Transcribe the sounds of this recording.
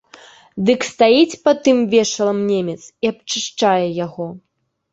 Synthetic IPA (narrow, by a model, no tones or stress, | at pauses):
d̪ɨkst̪ajit͡sʲpɐt̪ɨmvʲɛʂɐlˠɐmnʲemʲɛt̪siap̚t͡ʂɨʂt͡ʂajɛjaɣɔ